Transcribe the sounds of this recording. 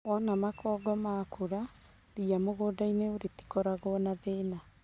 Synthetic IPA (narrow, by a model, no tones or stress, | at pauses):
wɔnamakɔːɡɔmakʰoɾa | ɾiamoɣoːdaineoɾeti̥kɔɾaɣɔnaðeːna